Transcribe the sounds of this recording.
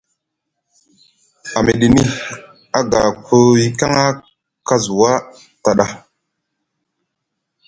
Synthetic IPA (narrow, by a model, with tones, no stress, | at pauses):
a˨me˨ɗi˨ni˦ | a˦ɡa˨ko˦i˦ka˦ŋa˦ | ka˦zu˨wa˦ | ta˨ɗa˦